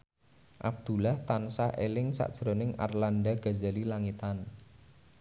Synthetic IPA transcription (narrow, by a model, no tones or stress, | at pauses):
ʔab̚d̪̥ṳlaht̪ansahʔḛlɪŋsa̰ʔd̥ʒ̥ɾonɪŋa̰rlanɖaɡ̥azalilaŋit̪an